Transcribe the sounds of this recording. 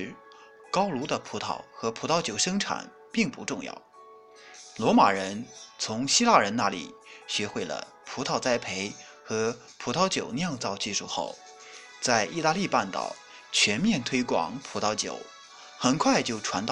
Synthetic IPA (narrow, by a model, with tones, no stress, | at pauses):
kɑ˥ʊlu˧˥d̪ə˧pʰu˧˥t̪ʰɑ̰˨˩ʊxɤ˧˥pʰu˨˧˩t̪ʰɑ˥ʊt͡ɕjo˨˩ʊʂɤ˥ŋʈ͡ʂʰa̰˨˩˦n | pi˥˩ŋpu˧˥ʈ͡ʂʊ˥˧ŋjɑ̰˥˩ʊ | lwɔ˧˥ma̰˨˩ɻə˧˥nt͡sʰʊ˧˥ŋɕi˥la˥˩ɻə˧˥nna˥˩lḭ˨˩ɕɥɛ˧˥xwe˥˩ɪlə̰˩ | pʰu˧˥t̪ʰɑ˥˩ʊt͡sa˥ɪpʰe˧˥ɪ | xɤ˧˥ | pʰu˧˥t̪ʰɑ˧˥ʊt͡ɕjo˨˩ʊnjɑ˥˧ŋt͡sɑ˥˧ʊt͡ɕi˥˧ʂu˥˧xo̰˥˩ʊ | t͡sa˥˧ɪʔi˥˧t̪a˥˧li˥˧pa˥˩nt̪ɑ̰˨˩ʊ | t͡ɕʰɥɛ˧˥nmjɛ˥˩nt̪ʰwe˥ɪkwɑ̰˨˩˦ŋpʰu˨˧˥t̪ʰɑ˧˥ʊt͡ɕjo̰˨˩˦ʊ | xə˨˩nkʰwa˥˧ɪt͡ɕjo˥˩ʊʈ͡ʂʰwa˧˥nt̪ɑ˥˧